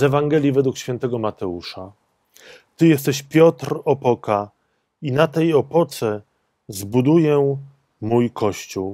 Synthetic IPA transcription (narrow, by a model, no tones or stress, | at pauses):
zɛvaŋɡɛlʲjivɛd̪wukɕfʲjɛnt̪ɛɡɔmat̪ɛuʂa | t̪ɘjɛs̬t̪ɛɕpʲjɔt̪ɾɔpɔka | inat̪ɛjɔpɔt̪sɛ | zbud̪ujɛ | mujkʰɔɕt͡ɕuw